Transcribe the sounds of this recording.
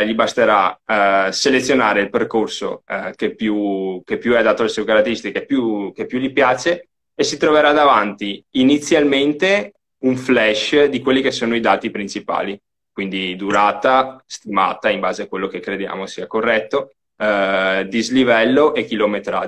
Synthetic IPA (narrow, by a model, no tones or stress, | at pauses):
ʎibast̪eɾa | selet̪sːjonaːɾeilperkorso̰kepːjukepːjuɛd̪aːt̪oalesuekaɾat̪ːeɾist̪ikepːjukepːjuʎipjaːt͡ʃeː | sit̪ɾoveɾad̪avant̪iinit̪sːjalment̪e | uɱflɛʃd̪ikwelːikesːoːnoid̪aːt̪ipɾint͡ʃipa̰ːli | kwind̪id̪uɾaːt̪ast̪ima̰ːt̪aimbaːzeakwelːok̟ekːɾed̪ja̰ːmosiːakorːɛt̪ːo | d̪izlivɛlːoʔek̟ːilomet̪ɾa̰ː